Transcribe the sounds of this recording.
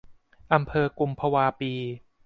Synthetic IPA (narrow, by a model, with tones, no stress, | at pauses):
ʔa˧mpʰɤː˧ku˧mpʰa˧waː˧piː˧